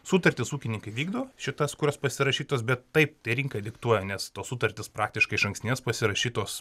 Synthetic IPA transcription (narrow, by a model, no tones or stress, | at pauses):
suːt̪ɐrʲt̪ʲɪsuːkʲɪnʲɪŋkɐɪʋʲiːɡd̪oːʃʲɪt̪ɐskʊɾʲoːspɐsʲɪɾɐʃʲiːt̪oːsbʲɛt̪tɐɪp̚t̪ɐɪɾʲiŋkɐɪd̪ʲɪkt̪uɔjɛnʲɛst̪oːssut̪ɐrʲt̪ʲɪspɾɑːkt̪ʲɪʃkɐɪʃɐŋksʲt̪ʲnʲeːspɐsʲɪɾɐʃʲiːt̪oːs